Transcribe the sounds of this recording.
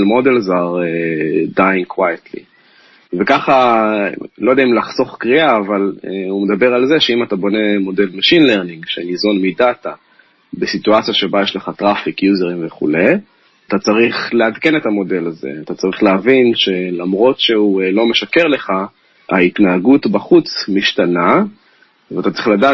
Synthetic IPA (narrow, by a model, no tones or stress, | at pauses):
lmo̞delzaʁedajnkwajat̪lḭ | vekaχa | lo̞jdeaimlaχso̞χkʁiaːvaleumed̪abe̞ʁalzeʃeimatabo̞ne̞mo̞de̞lmaʃinle̞ʁniŋɡʃenizo̞nmidat̪a | besituat͡sijaʃe̞bajeʃleχat̪ʁafikjuze̞ʁimveχṵle̞j | at̪at͡saʁiχle̞adke̞ne̞tamo̞de̞laze̞̰at̪at͡saʁiχleavinʃe̞lamʁo̞tʃe̞ulo̞me̞ʃake̞ʁle̞χa | ait̪naːɡutbaχut͡smiʃtana | vat̪at͡sʁiχladaː